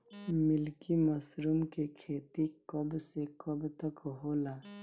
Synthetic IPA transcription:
mɪlkiməsɾumkekʰeːt̪ikəbsekəbt̪əkɦoːlaː

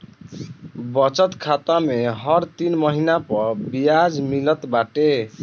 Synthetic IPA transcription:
bʌt͡ʃət̪kʰat̪ameɦʌɾt̪inməɦinapʌɾbijad͡ʒmilʌt̪baʈe

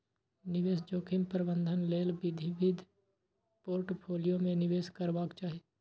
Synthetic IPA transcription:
nɪʋeːsd͡ʒoːkʰɪmpəɾbə̃nd̪ʱənleːlbɪd̪ʱiʋɪd̪ʱ | poːɾʈpʰoːlijomẽnɪʋeːskəɾbaːkt͡ʃaːɦi

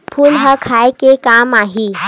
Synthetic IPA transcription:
pʰuːlɦəkʰajkekamaɦi

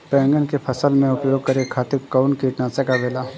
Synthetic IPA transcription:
pɛ̃ːŋɡənkepʰɐsəlmẽʊpjoːɡ̚kɐɾekʰaːt̪ɪɾkaʊnkiːʈnaːsekabeːlaː

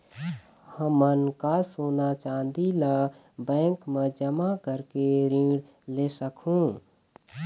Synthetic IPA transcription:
həmənkasoːnat͡ʃãːnd̪ila | bɛ̃ːŋkmẽd͡ʒəmakəɾkeɾĩːɽ | leːsəkʰɦũː

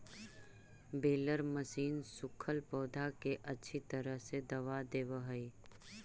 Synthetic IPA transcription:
beːləɾməsiːnsʊkʰəlpɔːd̪ʱakeʔɐtːʃʰit̪əɾəɦsed̪ɐʋad̪eːʋəɦəi

